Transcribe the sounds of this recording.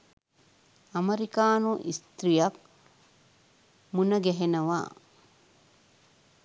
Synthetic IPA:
ɐmeɾikaːnuʔist̪ɾijak̚ | munɐɡɛɦenɐʋa̰ː

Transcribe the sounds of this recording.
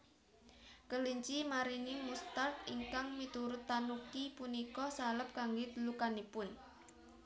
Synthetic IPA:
kəliɲt͡ʃimaɾinimust̪art̪iŋkaŋmit̪uɾʊt̪ːanukipunikɔsaləp̚kaŋɡet̪lukanipʊn

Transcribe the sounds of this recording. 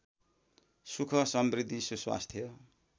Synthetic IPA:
sukʰʌsʌmbrid̪ʱːisuswa̰st̪ʰjʌ

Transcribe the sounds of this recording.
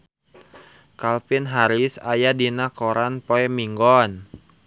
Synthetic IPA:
kalpinɦaɾisajadinakɔɾanpɔɛmiŋɡɔn

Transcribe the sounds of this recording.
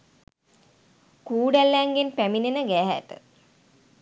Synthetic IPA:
kuːɖælːæŋɡenpæminenəɡæːɦæ̰t̪ə̰

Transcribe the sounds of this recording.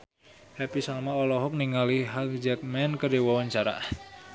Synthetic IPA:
hɛpisalmaɔlɔɦɔk̚niŋaliɦak̚d͡ʒɛk̚mɛnkədewawaɲt͡ʃaɾa̰

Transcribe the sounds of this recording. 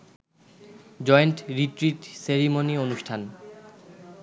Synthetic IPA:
d͡ʑɔjnʈɾiʈɾiʈseɾimonionuʃʈʰan

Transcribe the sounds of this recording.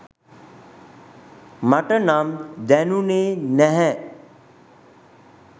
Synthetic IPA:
məʈənaːmd̪ɛːnunenəɦɛ

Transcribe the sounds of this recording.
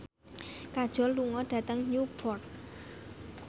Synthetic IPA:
kad̥ʒ̥ɔ̤luŋɔɖ̥ä̤t̪əŋɲupʰɔrt̪̚

